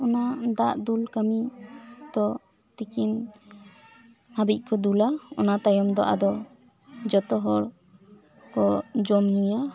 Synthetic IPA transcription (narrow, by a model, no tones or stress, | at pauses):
ɔnad̪aʔd̪ulkamid̪ɔ | t̪ikin | habic̚ˀkɔd̪ulaɔ̰nat̪ajɔmd̪ɔ̰ʔa̰d̪ɔ | d͡ʒɔt̪ɔɦɔɽ | kɔd͡ʒɔmɲũja